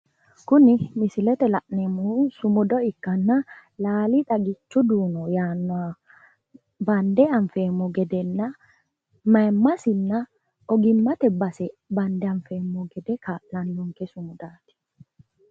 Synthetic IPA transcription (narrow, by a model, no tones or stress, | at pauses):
kʊnɪmɪsɪlɛt̪ɛlɐʔnemusʊmʊd̪ɔɪkːɐnːɐlaːlit̪ʼɐɡɪt͡ʃːʊd̪uːnɔjaːnːa | bɐnd̪ɛɐɱfeːmːɔɡɛd̪ɛnːɐ | mɐmːɐsɪnːɐ | ɔɡɪmːɐt̪ɛbɐsɛbɐnd̪ɛɐɱfeːmːɔɡɛd̪ɛkʰɐlɐndʊŋkɛsʊmʊd̪aːt̪ɪ̥